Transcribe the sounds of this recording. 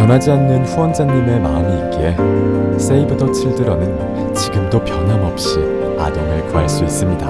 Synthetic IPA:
t͡ɕʌnɦad͡ʑianːɯnɸuwʌnd͡ʑaɲːime̞ma̰ɲiːk͈ees͈eibɯdʌt͡ɕʰiɭdɯɾʌnɯn | t͡ɕiɡɯmdopjʌnɦamʌp̚ɕ͈i | a̰dɯŋɯɭkuaɭs͈uis͈ɯmɲida

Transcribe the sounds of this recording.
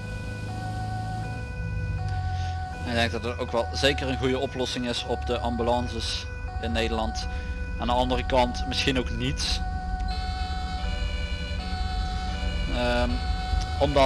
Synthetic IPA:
ɪɡ̚dɛŋɡ̚dɑtətowkʋɛlˠzeːkəɹənɣujəɔplɔsɪŋɪsɔpdəʔɑmbylɑnzəs | ɪnːejdəlɑntaːndəɑndərəkɑntmɪsxinowknits | ə | ɔmdɑ

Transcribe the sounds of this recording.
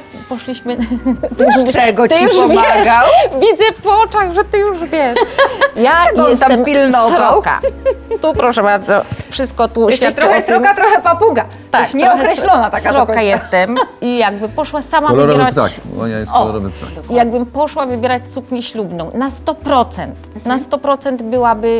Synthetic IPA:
s | pɔʂlʲiɕmɘt̪uɛɡɔt̪jiuʂvaɛɡawvʲid̪zɛft̪wɔt͡ʂaɣʐɛt̪ɘjuʐvʲjɛʂjajɛst̪aɛmpʲilnɔɾɔka̰t̪upɾɔʂɛbaɾd̪zɔfʂɘst̪̚kɔt̪ufʲjɛt̪ɾɔɛt̪ɾɔkat̪ɾɔxɛpapuɡa | t̪akɲɛɔkɾɛɕlɔnat̪at̪ɾɔkːajɛst̪ɛmijaɡ̚bɘpɔʂwasamavɛɾaa̰kɔ̰ja̰jsɔɾɔ̰v̰a̰ijaɡ̚bɘmpɔʂwavɘbʲjɛɾat͡ɕsukɲɛɕlubnɔ̃w̃nast̪ɔpɾɔt̪sɛnt̪nast̪ɔpɾɔt̪sɛnt̪bɘwabɘ

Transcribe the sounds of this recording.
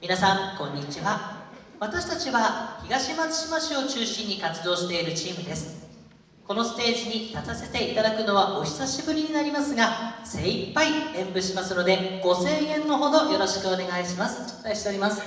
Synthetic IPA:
mʲinasãŋkõ̞ɲ̟ːit͡ɕiβa | βat̪aɕi̥t̪at͡ɕiβaçʲiɡaɕimat͡sɨ̥ɕimaɕio̞t͡ɕɨːɕĩɲ̟ːikat͡sɨd̪o̞ːɕi̥t̪e̞iɾɯ̟t͡ɕiːmɯ̟d̪e̞sɨ̥ | ko̞no̞sɨ̥t̪e̞ːziɲ̟it̪atase̞t̪e̞it̪ad̪akɯ̟no̞βaʔo̞çʲi̥saɕibɯ̟ɾʲiɲ̟inaɾʲimasɨɡase̞ːipːaiẽ̞mpɯ̟ɕimasɨno̞d̪e̞ɡ̥o̞se̞ːẽ̞nːo̞ɦo̞d̪o̞jo̞ɾo̞ɕi̥kɯ̟o̞ne̞ɡaiɕimasɨ̥ | aiɕi̥t̪e̞o̞ɾʲimasɨ̥

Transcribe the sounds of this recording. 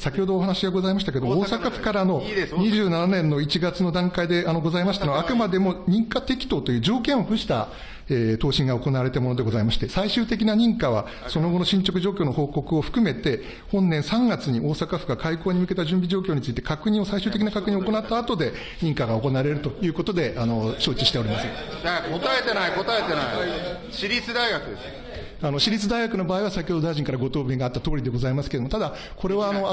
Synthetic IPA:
sakʲiho̞d̪oːɦanaɕiɡaɡo̞zaimaɕi̥t̪ak̬ed̪omooːsakaɸɯ̟̥kaɾano̞ɲ̟iʑɨːnananẽ̞nːo̞it͡ɕiɡat͡sɨno̞d̪ãŋkaid̪e̞ano̞ɡo̞zaimasɕi̥t̪anaakɯ̟mad̪emo̞ɲ̟ĩŋkat̪e̞kʲi̥t̪o̞ːt̪o̞jɯ̟ːd͡ʑo̞ːkẽɰ̃o̞ɸɯ̟ɕi̥t̪a | et̪o̞ːɕĩŋɡaoko̞naβaɾe̞t̪amo̞no̞d̪e̞ɡo̞zaimaɕi̥t̪e̞saiɕɨːt̪e̞k̬ʲinaɲ̟ĩŋkaβ̞a̰ | so̞noɡo̞no̞ɕĩɲ̟t͡ɕo̞k̬ɯ̟ʑo̞ːkʲoːno̞ho̞ːko̞kɯ̟o̞ɸɯ̟̥kɯ̟me̞t̪e̞ | hõ̞nːẽ̞ɰ̃sãŋɡat͡sɨɲ̟iʔo̞ːsakaɸɯ̟ɡakʰaiko̞ːɲ̟imɯ̟ke̞t̪aʑɨ̃mbʲiʑo̞ːkʲo̞ːɲ̟it͡sɨit̪e̞̥kakɯ̟ɲ̟ĩɰ̃o̞saiɕɨːt̪ek̬ʲinakakɯ̟ɲ̟ĩoko̞nat̪ːaːt̪o̞d̪e̞ | ɲ̟ĩŋkaɡao̞ko̞naːɾe̞ɾɯ̟t̪o̞jɯ̟ːko̞t̪o̞d̪e̞ʔano̞ɕo̞ːt͡ɕiɕi̥t̪e̞o̞ɾʲimasɨ | jakot̪aet̪e̞naiko̞t̪aet̪e̞nai | ɕiɾʲit͡sɨd̪aiɡakɯ̟d̪es | ano̞ɕiɾʲit͡sɨd̪aiɡakɯ̟no̞baːiβasakʲjoːd̪od̪aiʑĩŋkaɾaɡo̞t̪o̞ːbʲeɡaːt̪ːat̪o̞ːɾʲid̪e̞ɡo̞zaimasɨ̥ked̪omot̪ad̪a | ko̞ɾe̞βaːno̞

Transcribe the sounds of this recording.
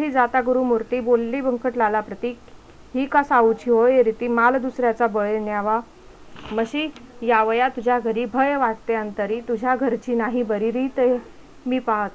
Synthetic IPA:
iːd͡zat̪aɡuɾuːmuɾt̪iːbolːiːbʱəŋkəʈlalapɾət̪iːk | ɦiːkasaut͡ɕiɦojeɾit̪iːmald̪usɾjat͡sabəɭnjaʋa | məɕiːjaʋəjat̪ud͡ʑʱjaɡʱəɾiːbʱəjʋaʈt̪eənt̪əɾiːt̪ud͡ʑʱjaɡʱəɾt͡ɕiːnaɦibəɾiɾijt̪e | miːpaɦt̪

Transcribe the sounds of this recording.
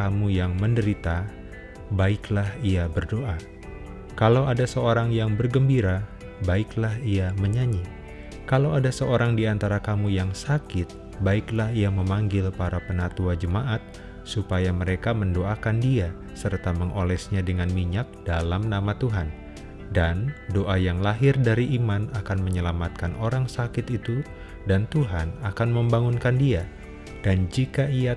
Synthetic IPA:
amujaŋməndəɾit̪a | baɪklahiabərdoʔa | kalawadasəoɾaŋjaŋbərɡəmbiɾa | baɪklaɦiaməɲaɲi | kalawadasəoɾaŋdiant̪aɾakamujaŋsakɪt̪̚ | baɪklahiaməmaŋɡɪlpaɾapənat̪uad͡ʒəmaʔat̪̚ | supajaməɾekaməndoakandia | sərt̪aməŋʔolɛsɲadəŋanmiɲak̚d̥alamnamat̪uɦan | dandoʔajaŋlaɦɪrdaɾiʔimanakanməɲəlamat̪̚kanʔoɾaŋsakɪt̪it̪u | dant̪uɦanakanməmbaŋunkandia | d̥and͡ʒikaia

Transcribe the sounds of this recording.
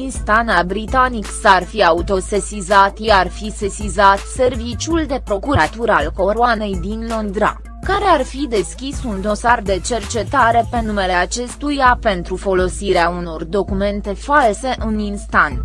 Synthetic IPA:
inst̪anabɾit̪aniksarfiaut̪o̞se̞sizat̪iarfisesizat̪se̞rvit͡ʃuld̪e̞pɾo̞kuat̪uɾalko̞ɾuane̞jd̪inlo̞nd̪ɾa̰ | kaɾe̞arfid̪e̞skʲisund̪o̞sard̪e̞t͡ʃe̞rt͡ʃe̞t̪aɾe̞pe̞nume̞le̞at͡ʃe̞st̪ujape̞nt̪ɾufo̞lo̞siɾeauno̞rd̪o̞kume̞nt̪e̞false̞ʔɨninst̪an

